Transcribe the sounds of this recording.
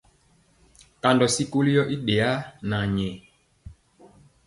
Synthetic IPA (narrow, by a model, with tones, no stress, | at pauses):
ka˨ndɔ˨si˦ko˦li˦jɔ˦ʔi˦ɗe˨a˦na˨ɲɛ˨